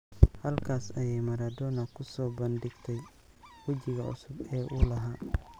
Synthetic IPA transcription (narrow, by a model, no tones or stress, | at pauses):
hɐlkʰaːsɐjɛjmɐɾɐd̪ɔːnɐkʰʊsɔːbɐnd̪ɪɡt̪ʰɛj | wɐd͡ʒɪɣɐʔʊ̰sʊbɛːʔʊlɐɦaː